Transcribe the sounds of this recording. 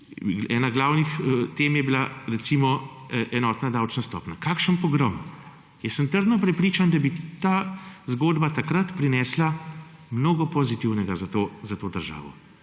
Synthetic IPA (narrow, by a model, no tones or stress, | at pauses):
ɛ̰ːnaɡlaːwnixət̪eːmjɛbilaɾɛsimɔ | ʔɛnɔːt̪nad̪awt͡ʃnast̪ɔ̰ːpnakakʃənpɔɡɾɔm | jɛsəmt̪əɾd̪nɔpɾɛpɾiːt͡ʃand̪abit̪aːzɡoːd̪bat̪akɾɐt̪pɾinɛːslamnoːɡɔpɔzit̪iwnɛɡazat̪oːzat̪oːd̪əɾʒa̰ːʋɔ̰